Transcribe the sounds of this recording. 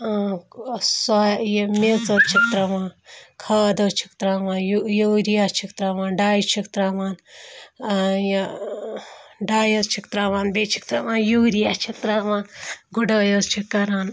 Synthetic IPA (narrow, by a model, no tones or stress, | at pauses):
sajmet͡sot͡ʃʰik̚t̪ɾɐmaːnkʰaːd̪oːt͡ʃʰi̥kt̪ɾaːmaːnjjoɾijaːt͡ʃʰikt̪ɾamaːnɖaːjit͡ʃʰikt̪ɾaːmaːn | j | ɖaːjot͡ʃʰikt̪ɾaʋaːnbet͡ʃʰi̥kt̪ɾamaːnjuːɾijaːt͡ʃʰik̚t̪ɾaʋaːnɡuɖoːjoːst͡ʃʰikːɐɾaːn